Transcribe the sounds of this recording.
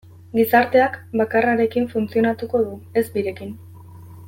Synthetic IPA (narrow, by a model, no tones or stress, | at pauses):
ɡisaɾt̪e̞akbakaraɾe̞kiɱfunt͡sio̞nat̪uko̞ðue̞zbiɾe̞kin